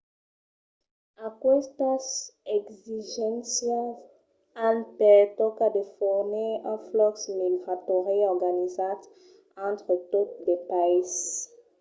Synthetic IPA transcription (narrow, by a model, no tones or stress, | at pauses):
akɔst̪ɑ̃sɛɡziʒɛ̃sja | ãlpɛt̪ɔkad̪əfɔʁniɛ̃flɔksmiɡʁat̪ɔʁeɔʁɡanizat̪ | ɑ̃t̪χət̪ot̚d̪epas